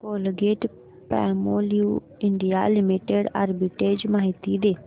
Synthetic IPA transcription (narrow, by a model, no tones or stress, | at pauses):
koːlɡeːʈ | pɛ̰ːmoːlijuː | ɪɳɖijalɪmiʈeɖa̰ɾbiʈeːd͡ʒmaːɦɪt̪id̪eː